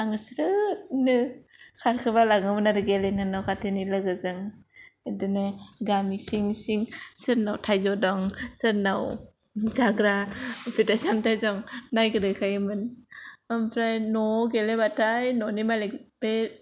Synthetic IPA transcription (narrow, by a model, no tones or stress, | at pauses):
aŋsɾɯtnɯ | kʰaɾkʰɯbalaŋɯmɯnaɾɯɡelenanawkʰatʰenilɯɡɯzɯŋɯdɯnɯɡamisiŋsiŋsɯɾnawtʰajzɔdɔŋsɯɾnaw | zaɡɾapʰetasamtʰajzɔŋnajkɯɾɯkʰajɯmɯnampʰɾajnɔɡelebatʰajnɔnimalekbe